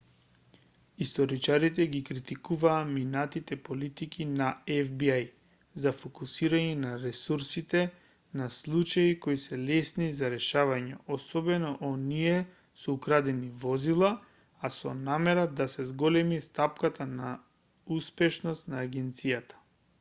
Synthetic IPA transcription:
ist̪ɔɾit͡ʃaɾit̪ɛɡikɾit̪ikuvaːminat̪it̪ɛpolit̪ikinaɛvbiaj | zafokusiɾaɲɛnaɾɛsuɾsit̪ɛ | naslˠut͡ʃaikoisɛlɛsnizaɾɛʃavaɲɛɔsɔbɛnɔʔoniɛ | sɔukɾad̪ɛnivɔzilˠa | asɔ̰namɛɾad̪asɛzɡɔlɛmist̪apkat̪ana | uspɛʃnɔst̪naːɡɛnt̪sijat̪ḁ

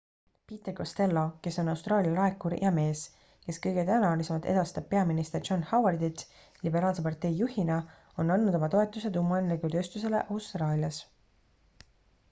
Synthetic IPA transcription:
pit̪ːˑekost̪e̞lːo̞ke̞so̞nɑwst̪rɑːlʲjɑlɑe̞kːuɾjʔɑme̞ːs | ke̞skɤjɡ̥e̞t̪ænɑlise̞mɑt̪e̞d̪ɑst̪ɑb̥̚pe̞ɑminist̪e̞rd͡ʒo̞nhɑwɑrd̪it̪ | libe̞ɾɑːlse̞pɑrt̪e̞jːuhinɑ | o̞nɑnːud̪o̞mɑt̪o̞et̪ːˑuse̞d̪umːɑenleɡyt̪øːst̪use̞le̞̰ʔɑwst̪rɑːlʲiɑs

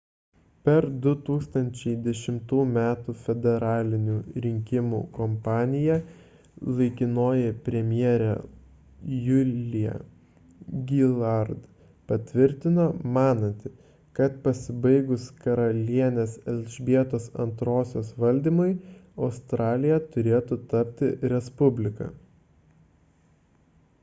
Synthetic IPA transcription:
pʲɛɾd̪ʊt̪uːkst̪ɐnʲt͡ʃʲɛɪd̪ʲɛʃʲɪmt̪uːmʲæːt̪ufʲɛd̪ʲɛɾɑːlʲɪnʲuːɾʲɪŋʲkʲɪmṵːkɔmpɑːnʲɪjɛ | lˠɐɪkʲɪnoːjɛpʲɾʲɛmʲjiɛɾʲɛ̰ | jʊlʲɪjɛ̰ | ɡʲɪlˠɐɾd̪ | pɐt̪ʲʋʲɪɾʲt̪ʲɪnoːmɑːnɐnʲt̪ʲɪ | kɐt̪pɐsʲɪbɐɪɡʊskɐɾɐlʲiɛnʲesɛlʲʒʲbʲiɛt̪oːsɐ̰nt̪ɾoːsʲoːsʋɐlʲd̪ʲiːmʊɪɐʊst̪ɾɑːlʲɪjɛt̪ʊɾʲeːt̪ʊt̪ɐpʲt̪ʲɪɾʲɛspʊbʲlʲɪkɐ̰

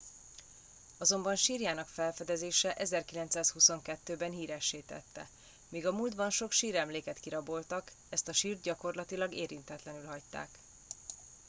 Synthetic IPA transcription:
ɒzo̞mbɒnʃiːrjaːnɒkfɛlfɛd̪ɛzeːʃɛʔɛzɛrkilɛnt̪saːshuso̞ŋkɛt̪ːøːbɛnɦiːɾɛʃːeːt̪ɛ̰t̪ːɛ̰ | miːɡɒmuːld̪bɒnʃo̞kʃiːɾɛmleːkɛt̪kiɾɒbo̞lt̪ɒk | ɛst̪ɒʃiːrd̪̚ɟɒko̞rlɒt̪ilɒɡeːɾint̪ɛt̪lɛnylɦɒct̪ːa̰ːk

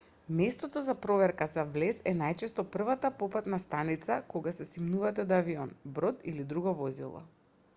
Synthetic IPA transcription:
mɛst̪ɔt̪ɔzapɾɔvɛɾkazavlɛsɛnajt͡ʃɛst̪ɔpr̩vat̪apɔpat̪nast̪anit̪sakoɡasɛsimnuvat̪ɛod̪aviɔnbɾɔt̪ilid̪ɾuɡavɔzḭlˠɔ̰

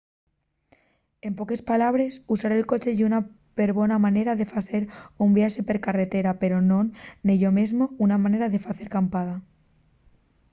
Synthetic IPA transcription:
e̞mpo̞ke̞spalaβ̞ɾe̞susaɾelko̞t͡ʃe̞ʝuna | pe̞ɾβo̞namãne̞ɾaðe̞fase̞ɾumbjaʃepe̞ɾkare̞t̪e̞ɾape̞ɾono̞nːiʝo̞mezmo̞unamãne̞ɾaðe̞faθe̞ɾkampaða

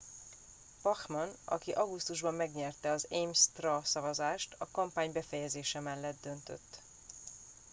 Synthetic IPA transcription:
pɒxmɒnɒ̰kiʔɒɡust̪uʒbɒmːɛɡɲɛrt̪ɛɒzejmst̪rɒsɒvɒzaːʃt̪ɒkɒmpaːɲbɛfɛjɛzeːʃɛmɛlːɛd̪d̪ø̞nt̪ø̰t̪ː

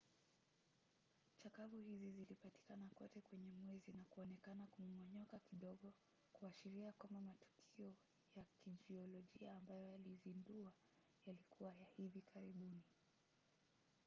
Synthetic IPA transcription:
t͡ʃakavuhizizilipati̥kanakɔtɛkwɛɲɛmwɛzinakuɔnɛkanakumɔɲɔkakiɗɔɠɔ | kuaʃiɾiakwambamatu̥kʰiɔ | jakid͡ʒiɔlɔʄiaːmbajɔjalizindua | jalikuwajahivikʰaɾiɓuni

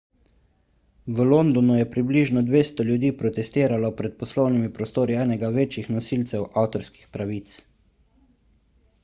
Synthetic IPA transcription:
ʋəlond̪ɔnujɛpɾibliʒnɔd̪ʋeːst̪ɔljud̪iːpɾɔt̪ɛst̪eːɾalɔpɾɛt̪̚pɔslɔwnimipɾɔst̪oːɾiɛːnɛɡaʋeːt͡ʃixnɔsilt̪sɛwʔawt̪ɔɾski̥xpɾaʋiːt̪s

